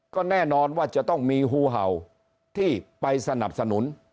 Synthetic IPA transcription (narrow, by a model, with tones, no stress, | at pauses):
kɔː˥˩nɛː˥˩nɔː˧nwaː˥˩t͡ɕa˨˩t̪ɔ˥˩ŋmiː˧ɦuː˧ɦa˨˩w | t̪ʰiː˥˩pa˧jsa˧na˨˩p̚sa˧nu˩˦n